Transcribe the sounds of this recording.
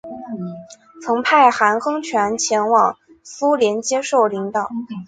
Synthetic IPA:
t͡sʰɤ˧˥ŋpʰa˥˩ɪxa˧˥nxɤ˥ŋt͡ɕʰɥɛ˧˥nt͡ɕʰjɛ˧˥nwɑ̰˨˩ŋ | su˥ljɛ˧˥nt͡ɕjɛ˥ʂo˥˩ʊli˧˥ŋt̪ɑ˨˩˦

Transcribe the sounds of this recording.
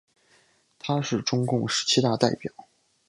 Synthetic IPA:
t̪ʰa˥ʂɻ̩˥˩ʈ͡ʂʊ˥ŋkʊ˥˩ŋʂɻ̩˧˥t͡ɕʰi˥t̪a˥˧t̪a˥˩ɪpjɑ˨˩˦ʊ

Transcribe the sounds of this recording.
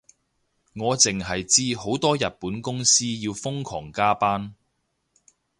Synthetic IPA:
ŋɔː˨˧t͡sɪ˨ŋɦɐ˨jt͡siː˥ho˨˥wt̪ɔː˥jɐ˨t̚puː˨˥nkʊ˥ŋsiː˥jiː˧wfʊ˥ŋkʰɔ̰ː˨˩ŋkaː˥paː˥n

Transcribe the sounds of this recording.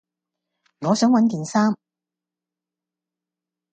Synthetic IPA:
ŋɔː˨˧sœː˨˥ŋwɐ˨˥nt̪iː˨nsaː˥m

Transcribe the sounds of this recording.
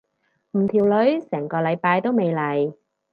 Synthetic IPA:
m̩˨˩t̪ʰiː˨˩wlɵ˨˥ɥsɛː˨˩ŋkɔː˧lɐ˨˧jpaː˧jt̪o˥wme˨˧jlɐ˨˩j

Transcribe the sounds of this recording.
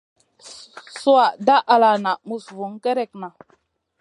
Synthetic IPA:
su˦a˨da˦ʔa˨la˨na˨mu˨svu˨˦ŋke˦ɾe˦˨k̚na˨

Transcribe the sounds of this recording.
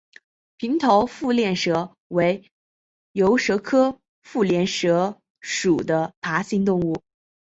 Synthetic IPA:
pʰi˧˥ŋt̪ʰo˧˥ʊfu˥˧ljɛ˥˩nʂɤ˧˥ | we˧˥ɪ | jo˧˥ʊʂɤ˧˥kʰɤ˥ | fu˥˩ljɛ˥˩nʂɤ˧˥ | ʂu˨˩d̪ə˦pʰa˧˥ɕi˥nt̪ʊ˥˧ŋu˥˩

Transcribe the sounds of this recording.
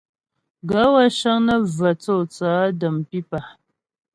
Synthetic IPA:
ɡa˨˦wa˦ʃa˦ŋnə˦və˨t͡so˦˨t͡saː˨˦də˨mpi˦pa˨

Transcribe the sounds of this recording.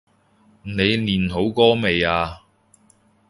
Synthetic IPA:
ne˨˧jliː˨˩nɦo˨˧˥wkɔː˥me˨jaː˧

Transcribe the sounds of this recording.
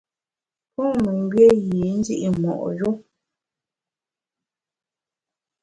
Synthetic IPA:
pɔ˦me˨ŋ˨ɡɥe˦ɣi˨n̩˦zi˦ʔi˦mɔ̰˨ʔjo˦

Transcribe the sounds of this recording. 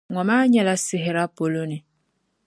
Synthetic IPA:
ŋɔ˨ma˦ɲɛ˨la˦sɪ˨ɦɛ˨ɾa˦po˨lo˦ni˨

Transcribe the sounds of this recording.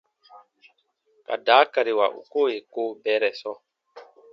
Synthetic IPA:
ka̰˨da˨˦ka˨ɾi˨wa̰˨ʔṵ˨ko˦˨je˨koː˦bɛ˨˦ɾɛ˨sɔ˦

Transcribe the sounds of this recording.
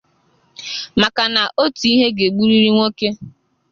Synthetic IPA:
ma˨ka˨na˨ʔo˦ti˨i˦ɦe˦ɡe˨ɡ͡bu˦ɾi˦ɾi˦ŋʷo˦ke˦

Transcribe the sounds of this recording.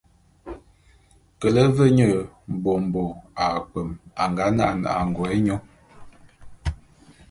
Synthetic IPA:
kə˨lə˦və˦ɲə˦˨ | m̩˨bo˨m˨bo˨a˨k͡pə˨ma˨ŋɡa˨˦na˦˨na̰˨ʔa̰˨ŋ˨ɡwɛ˨˦ɲo˦

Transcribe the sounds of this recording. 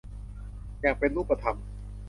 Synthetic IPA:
jaː˨˩k̚pe˧nɾuː˦˥˩pːa˧t̪ʰa˧m

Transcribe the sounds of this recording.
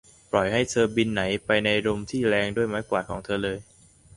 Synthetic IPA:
plɔ˨˩jha˥˩jt̪ʰɤː˧bi˧nːa˩˦jpa˧jna˧jɾo˧mt̪ʰiː˥˩ɾɛː˧ŋdu˥˩əjma˦˥kwaː˨˩kʰɔː˩˦ŋt̪ʰɤː˧lɤː˧j

